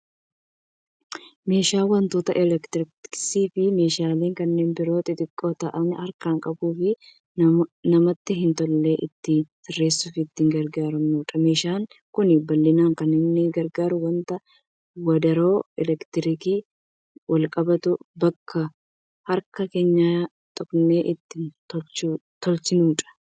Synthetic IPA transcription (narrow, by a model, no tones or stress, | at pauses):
me̞ːʃaːwɐnt̪oːt̪ɐʔɪlɛkt̪ɪɾɪsiːfɪme̞ːʃaːleːŋkɐnːe̞ːnbɪɾo̞ːt̪ɪt̪ʼɪkʼːoːt̪ɐʔɐnhɐɾkaːŋkʼɐbuːfɪ | nɐmɐt̪ːɪɦɪnt̪ɔlːe̞ːʔɪt̪ːɪsɪrːe̞ːsːʊfɪɪt̪ːɪŋɡɐɾɡaːɾɐmnuːᶑ̪ɐme̞ːʃaːŋ | kʊnɪbɐlːɪnaːŋkɐnɪnːɪɡɐɾɡaːɾʊwɐnt̪ɐ | wɐd̪ɐɾo̞ːɛlɛkt̪ɪɾɪkiː | wɐlkʼɐbɐt̪ʊbɐkʰːɐ | hɐɾkɐke̞ːɲːa | t̪ʼɔkne̞ːʔɪt̪ːɪnt̪ɔt͡ʃː | t̪ɔlsɪnuːᶑʼɐ̥